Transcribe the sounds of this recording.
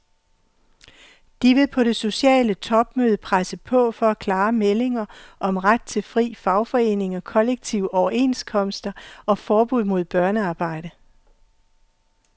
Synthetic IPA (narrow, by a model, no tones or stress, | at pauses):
d̥iʋe̝pʰɒ̽ɾ̥e̝so̝ɕɛ̰ːlət͡sʰɒ̽b̥̚møːð̞ˠəpʰʁasəpʰɒ̽fɒ̽ækʰlɑ̈ːmele̝ŋɐʔɒ̽mʁad̥̚t͡sʰe̝lfʁḭːfɑ̈ʊfɒ̽e̝̰ːne̝ŋɒ̽kʰɒ̽leɡ̥̚t͡sʰiʊ̰ɒʊɐe̝ːnskʰɒ̽msd̥ɐɒ̽fɒːb̥uð̰ˠmo̝ðˠb̥ɶɐnəɑ̈ːb̥ɑ̈ɪ̰d̥ə